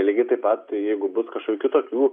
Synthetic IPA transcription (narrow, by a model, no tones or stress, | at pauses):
lʲiɡʲɪt̪ɐɪpɐt̪jɛɪɡʊbʊskɐʃkokʲukʲuːt̪oːkʲuː